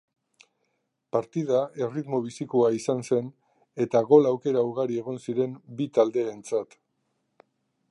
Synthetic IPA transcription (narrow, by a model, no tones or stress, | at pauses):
paɾt̪iðae̞rit̪mo̞β̞isikoaisanse̞n | e̞t̪aɣo̞lawke̞ɾauɾɣaɾie̞ɣ̞o̞nsiɾe̞mbit̪ald̪e̞ːnt͡sat̪